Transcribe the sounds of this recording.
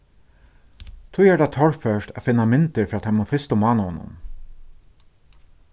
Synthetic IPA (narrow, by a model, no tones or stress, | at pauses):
t̪ʰuːjɛːɖɑt̪ʰɔɹfœʃʈa̰fɪnːɑmɪnt̪əɾfɾɑːt̪hɑmoːfɪst̪ʊmɑːnəhɔnʊ̰m